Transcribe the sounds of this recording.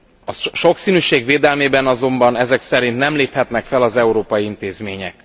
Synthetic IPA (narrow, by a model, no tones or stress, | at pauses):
ɒʃo̞ksiːnyːʃeːɡveːd̪ɛlmeːbɛnɒzo̞mbɒnɛzɛksɛɾint̪nɛmleːphɛt̪nɛkfɛlɒzɛuɾoːpɒjiint̪eːzmeːɲɛ̰k